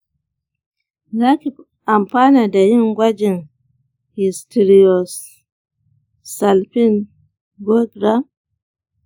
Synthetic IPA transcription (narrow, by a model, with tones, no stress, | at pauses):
ɡa˦ki˨p | a˨mpa˦na˨da˨ji˦nɡwa˦d͡ʒi˨n | hi˨sti˨ɾi˨ɔ˨s | a˨lpi˦n | ɡɔ˦ɡɾa˦